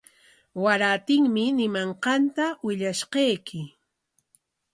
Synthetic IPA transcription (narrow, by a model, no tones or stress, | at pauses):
waɾat̪ɪŋmɪnɪmaɴqɑnt̪awɪʎaʃqɑjkɪ